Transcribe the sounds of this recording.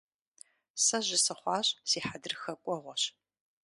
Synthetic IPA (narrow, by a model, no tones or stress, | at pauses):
sɐʑɪsɐχʷɑːɕʼsiːħadɨrxɐkʷʼɔʁʷɔɕ